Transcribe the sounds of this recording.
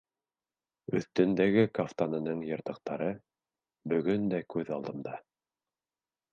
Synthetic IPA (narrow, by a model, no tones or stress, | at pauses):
ɵ̰̆θt̪ɵ̆nd̪æɡɘkaft̪anɤ̆nɤɴjɤ̆ɾt̪ɤ̆q̚t̪ɑɾɤ | bɵ̆ɡɵnd̪ækʉðɑlˠd̪ɤ̆md̪ɑ